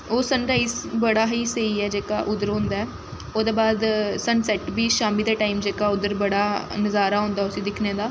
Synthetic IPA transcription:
oːsənɾaːiːzbəɽaːɦiːsəiːɛːd͡ʒeːka̰ːʔʊd̪əɾɦõnd̪aːɛː | oːd̪eːbaːd̪sənsɛːʈbiːʃaːmiːd̪aːʈaːimd͡ʒeːkaːʊd̪əɾbəɽaːnəzaːɾaːɦʊ̃nd̪aːʊsĩːd̪ɪkʰneːd̪aː

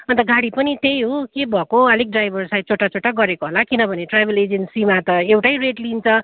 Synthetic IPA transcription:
ʌnt̪ʌɡaɽipʌnit̪ejɦokebʱʌkoʌliɡ̚ɖrajbʱʌrsaj̚t͡sʰoʈat͡sʰoʈːaɡʌɾekoɦolakinʌbʱʌneʈrabeled͡zensimat̪ʌewʈajreʈlint͡sʰʌ

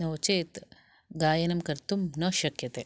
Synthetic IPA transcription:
nɐwt͡ʃeːt̪ | ɡaːjɐnɐmkɐɾt̪umnɐʃɐkjɐt̪eː

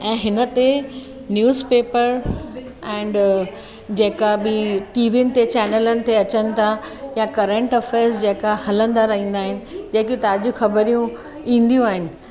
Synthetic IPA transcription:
ɛ̃ːɦɪnət̪e | njuːzpeːpəɾ | ɛ̃ːɳɖ | d͡ʑeːkabɪʈiːʋiʊnɪ̆t̪et͡ɕɛːnələnɪ̆t̪ʰeɐt͡ɕənɪ̆t̪ʰajakɐɾə̃ɳʈɔfeːsd͡ʑeːkahɐlə̃nd̪aɾɐɦĩːnd̪aːɦɪnɪ̆d͡ʑeːkjũt̪aːd͡ʑuxɐbəɾijũ | ĩːn̆d̪ijũaːɦɪnɪ̆

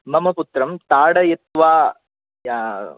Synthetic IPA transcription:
mɐmɐpʊt̪ɾɐmt̪aːɽɐjɛt̪ʋaː | jaː

